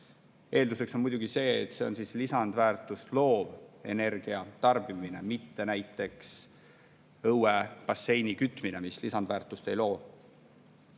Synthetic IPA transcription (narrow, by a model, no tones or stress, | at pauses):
ʔe̞ːld̪use̞kso̞nmujd̪̥uɡ̥ise̞ːt̪se̞o̞̰nsiːslisɑnd̪væːrt̪ˑust̪lo̞ːve̞̰ne̞rɡ̥iɑt̪ɑrb̥imine̞̰mit̪ːe̞næjt̪ːˑe̞ks | ɤwepɑsːe̞jnikyt̪ːˑmine̞mislisɑnd̪væːrt̪ːˑust̪e̞jlo̞ː